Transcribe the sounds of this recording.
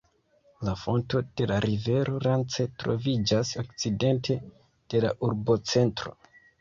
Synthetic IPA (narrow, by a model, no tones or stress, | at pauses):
lafo̞nto̞d̥e̞laɾive̞ɾo̞ɾant͡setɾo̞̰vid͡ʒasokt͡side̞ntʰe̞ | d̥e̞laʔuɾbo̞t͡se̞ntɾo̞̰